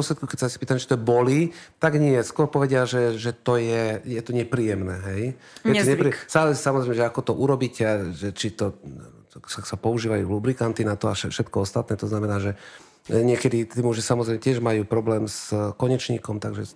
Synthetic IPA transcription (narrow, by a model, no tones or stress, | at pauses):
ɔslɛt̪kukɛcsasi̥piːt̪amɛt͡ʃi̥t̪ɔɛbɔlit̪aɡɲɪɛskʊɔɾpɔʋɛɟɪaʒɛʒɛt̪ɔjɛjɛt̪ɔɲɛpɾiːjɛmnɛːɦɛj | jɛɔɲɛpɾisaːlisisamɔzɾɛjmɛʒɛakɔt̪ɔʔuɾɔbiːcɛʒɛt͡ʃit̪ɔ | sasapɔuʒiːʋajṵlubɾikant̪inat̪ɔaʃɛfʃɛt̪kɔɔst̪at̪nɛːt̪ɔznamɛnaːʒɛ | ɲɪɛkɛd̪it̪iːmuʒisamɔzɾɛɪjmɛcɪɛʒmajuːpɾɔblɛːmskɔɲɛt͡ʃɲḭːkɔmt̪aɡʒɛ